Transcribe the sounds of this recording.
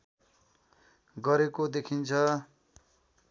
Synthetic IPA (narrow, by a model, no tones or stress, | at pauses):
ɡʌɾekod̪ekʰint͡sʰʌ